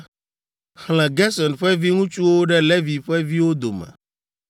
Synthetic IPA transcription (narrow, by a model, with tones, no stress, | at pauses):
hl̃ɛ̃˨ɡɛ˦sɔ˨nɸɛ˦vi˦ŋũ˦t͡ʃu˦wo˦ɖɛ˦le˦vi˨ɸɛ˦vi˦wo˦d̪o̰˨mɛ̰̃˨